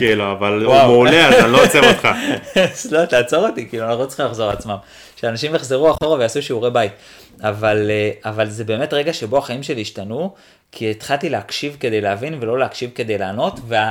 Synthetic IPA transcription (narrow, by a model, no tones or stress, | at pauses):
kiluavalwawmeuleatalot͡seʁotχazlotaːt͡so̞ʁot̪ikiːluanaχnott͡si̥iχimlaχzo̞ʁat͡smam | kʃeanaʃimjeχzeʁuaχo̞ʁave̞jasuʃiuʁebait | avaleavalzebe̞ːme̞tʁe̞ɡaʃe̞bo̞aχaimʃe̞liːʃtanu | kʰietχalt̪ileakʃivke̞d̪e̞jleavinve̞lo̞leakʃivke̞d̪e̞jlaːno̞tvea